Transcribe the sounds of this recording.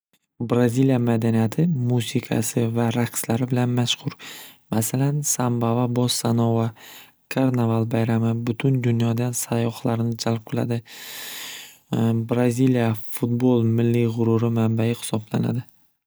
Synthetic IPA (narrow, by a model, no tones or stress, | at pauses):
bɾazilijamad̪anijat̪ʰɪmusɪkʰa̰sɪvaɾaqslaɾɪbɪlanmaʃqʰʊɾmasalansambavabɒsːanɒwa | kʰaɾnavalˠbajɾamɪbʊt̪ʰʊnd̪ʊnjɒd̪ansajɒχlˠaɾɪnɪd͡ʒalˠp̚qʰɨlˠa̰d̪ɪ | bɾazilijafʊt̪bolˠmɪlːiʁʊɾʊɾɪmambajɪhɪ̥sɒbla̰na̰d̪ɪ